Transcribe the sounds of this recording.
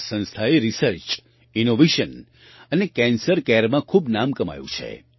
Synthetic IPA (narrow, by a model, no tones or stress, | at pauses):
sə̃nst̪ʰaeɾisəɾt͡ʃ | inoʋeʃən | ənekɛ̃nsəɾkɛɾmãkʰubnamkəma̰jṵ̃t͡ʃʰḛ